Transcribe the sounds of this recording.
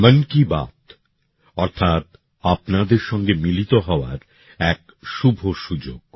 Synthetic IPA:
mənkiba̰t̪ | ɔɾt̪ʰat̪ | apnad̪eɾʃɔŋɡemilit̪oɦɔoa̰ɾ | ɛk | ʃubʱoʃud͡ʑoɡ̥̚

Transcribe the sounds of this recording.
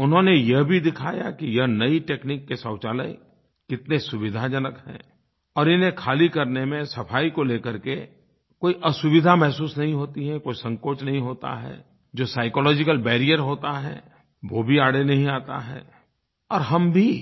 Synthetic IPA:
ʊnɦõnejɐɦbʱid̪ɪkʰaːja̰kijɐɦnɐiʈeːknɪkːesɔːt͡ʃaːlə̰i | kɪt̪nesʊʋɪd̪ʱad͡ʒɐnəkɦɛ̰̃ː | ɔːɾɪnɦẽkʰaːlikɐɾnemẽsɐpʰaːikoleːkəɾke | koːiʔɐsʊʋɪd̪ʱamɛɦsuːsnɐɦĩɦoːt̪iɦɛkoːisɐ̃ŋkoːt͡ʃnɐɦĩɦoːt̪a̰ɦɛ̰ː | d͡ʒoːsaːɪkɔːlɔːd͡ʒɪkəlbɛːɾijəɾɦoːt̪aɦɛ̰ː | ʋoːbʱiaːɽenɐɦĩaːt̪a̰ɦɛ̰ː | ɔːɾɦɐmbʱi

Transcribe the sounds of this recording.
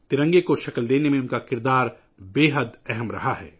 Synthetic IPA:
t̪ɪɾə̃ŋɡekoʃɐkəld̪eːnemẽʊnkakɪɾd̪aːɾ | beːɦəd̪ɛɦɛmɾɐ̰ɦaɦɛ̰ː

